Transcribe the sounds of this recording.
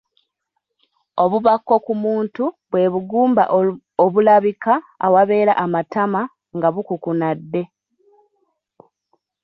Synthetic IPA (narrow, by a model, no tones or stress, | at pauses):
o̞βuβakːo̞kumuːntuβwe̞βuɡuːmba̰ʔ | oβulaβika̰ːwaβe̞ːɾaʔamatama | ŋɡaβukukunadːe̞